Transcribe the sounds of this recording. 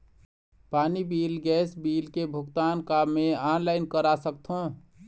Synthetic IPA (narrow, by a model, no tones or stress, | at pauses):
paːnibilɡɛsbilkebʱuɡt̪ankabmeanlaɪnkəɾasək̚t̪ʰõ